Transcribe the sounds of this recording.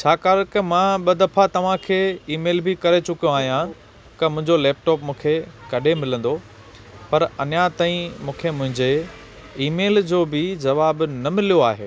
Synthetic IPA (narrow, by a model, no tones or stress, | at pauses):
t͡ɕʰaːkaːɾkɐmãɓɐd̪ɐfat̪ɐʋ̤ãkʰeːiːmeːlbɪkɐɾet͡ɕʊkijõaːɦijã | kɐmʊ̃ɦɪ̃ɲd͡ʑolɛːp̚ʈɔːpmũːkʰekɐɗʱemɪlə̃nd̪o | pɐɾɐnjat̪aːĩmũːkʰemʊ̃ɦɪ̃ɲd͡ʑe | iːmeːld͡ʑoːbɪd͡ʑɐʋaːbnɐmɪlijoaːɦḛː